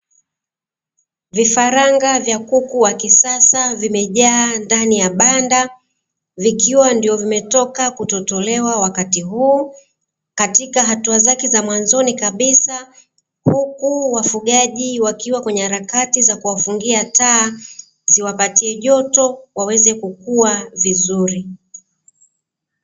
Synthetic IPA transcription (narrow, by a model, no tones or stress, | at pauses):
vifaɾaŋɡavjakukuwakisasavimɛʄaːndanijaɓanda | vikiwandiɔvimɛtɔkakutɔtɔlɛwawakatiɦuː | katikaɦatuazakɛzamwanzɔnikaɓisa | hukuwafuɠaʄiwakiwakwɛɲɛhaɾakatizakuwafuŋɡiataː | ziwapatiɛʄɔtɔwawɛzɛkukuavizuɾi